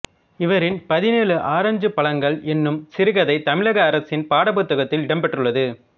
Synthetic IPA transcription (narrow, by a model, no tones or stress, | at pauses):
ɪʋɐɾɪnpɐðɪneːlɯʔaːɾɐɲd͡ʒɯpːɐɭɐŋɡɐɭʔɛnːɯmsɪɾɯɣɐðɐɪt̪ɐmɪɻɐɣɐːɾɐsɪnpaːɽɐbɯt̪ːɐɣɐt̪ːɪlɪɽɐmpɛʈrɯɭːɐðɯ